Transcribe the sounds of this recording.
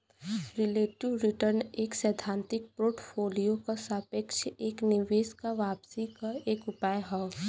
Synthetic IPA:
ɾɪleːʈiʋɾɪʈəɾneːksɛːd̪ʱãːnt̪ɪk̚poːʈpʰoːlijokasaːpekʃeːknɪʋeːskaʋaːpsikaeːkʊpaːjɦɔ

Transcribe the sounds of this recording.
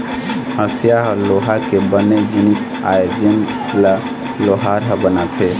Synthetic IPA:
ɦəsjaɦɔloɦakebəned͡ʒinis | a̰jed͡ʒən | la | loɦaɾɦəbənat̪ʰe

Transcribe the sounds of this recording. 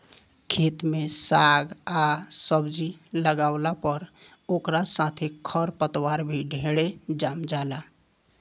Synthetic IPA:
kʰet̪mesaɡasəbd͡ʒiləɡaʊlapəɾ | oːkɾasãt̪ʰekʰəɾpət̪waɾbʱiɖʱeɽed͡ʒamd͡ʒaːla

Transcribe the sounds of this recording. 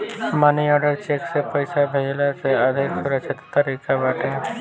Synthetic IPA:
maːniɔːɖəɾt͡ʃeːksepɐɪsabʱəlasead̪ʱɪksʊɾəkʃɪt̪ːəɾiːkabaːʈẽ

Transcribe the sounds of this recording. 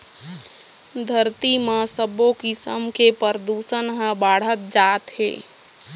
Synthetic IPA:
d̪ʱəɾt̪imãsəbokisəmkepəɾd̪uːsənɦə̃baːɽ̤ət̪̚d͡ʒaːt̪hḛː

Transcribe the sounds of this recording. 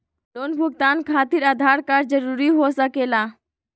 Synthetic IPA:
loːnbʱuɡ̚t̪aːnkʰaːt̪iɾad̪ʱaɾkaɾd͡ʒəɾuɾiɦosəkela

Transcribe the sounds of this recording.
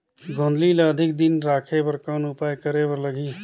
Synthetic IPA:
ɡʱõːnd̪liːlaɐd̪ʱɪk̚d̪ɪnɾaːkʰepəɾkɔːnʊpaːjkəɾebəɾləɡiː

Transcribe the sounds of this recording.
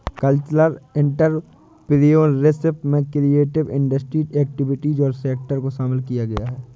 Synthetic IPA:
kəlt͡ʃləɾɪ̃ɳʈəɾ | pɾijoːnɾɪsɪpmẽkɾieːʈɪʋɪ̃ɳɖəsʈɾiːeːk̚ʈɪʋɪʈiːzɔːɾseːk̚ʈəɾkoʃaːmɪlkijaɡɐjaɦɛː

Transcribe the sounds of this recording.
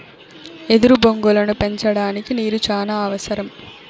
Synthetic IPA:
e̞d̪uɾuboŋɡulɐnupe̞ɲt͡ʃɐɽaːnikiniːɾut͡ʃaːlaːɐʋɐsɐɾɐm

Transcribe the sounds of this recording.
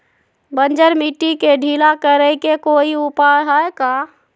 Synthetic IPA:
bənd͡ʒəɾmiʈːikeɖʱilakəɾəjkekoiupajɦəeka

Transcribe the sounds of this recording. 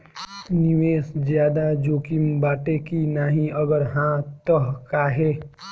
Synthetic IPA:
nɪʋeːsd͡ʒjaːd̪ad͡ʒoːkimbaːʈekinaːɦĩəɡəɾɦãt̪əɦkaɦeː

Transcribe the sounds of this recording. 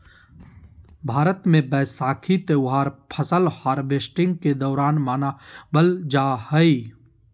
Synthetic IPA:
bʱaːɾət̪mẽbɛːsaːkʰit̪ewɦaːɾpʰəsəlhaːɾbesʈɪ̃ŋɡ̚ked̪ɔːɾaːnmaːnabəld͡ʒaːhəi

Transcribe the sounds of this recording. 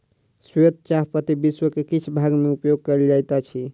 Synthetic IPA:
sjot̪̚t͡ʃaɦpət̪ibiswəkekit͡ʃʰbʱaɡmeupjoɡ̚kəld͡ʒajt̪at͡ʃʰi

